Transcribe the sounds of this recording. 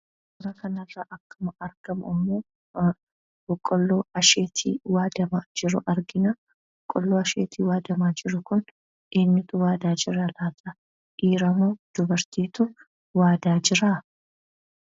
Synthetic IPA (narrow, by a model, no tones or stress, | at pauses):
kʊɾɐkɐnɐrːɐʔɐkːɐmɐɐɾɡ̥ɐmɪmːoː | bɔkʼːɔlːoːɐʃeːt̪ʰḭːwaːd̪ɐmad͡ʒɪɾʊʔɐɾɡɪnɐ | bɔkʼːɔlːoːɐʃḛːt̪ʰiːwaːd̪ɐmaːd͡ʒɪɾʊkʊn | ʔeːnːɪt̪ʊwaːd̪aːd͡ʒɪrːɐlaːt̪ʼɐ | ʔiːɾɐmoːd̪̥ʊbɐɾt̪iːt̪ʊ | waːd̪aːd͡ʒɪɾa